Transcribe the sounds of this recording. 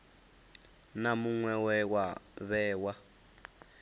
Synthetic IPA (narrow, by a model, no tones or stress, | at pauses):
namuŋwɛwɛwaβɛːwa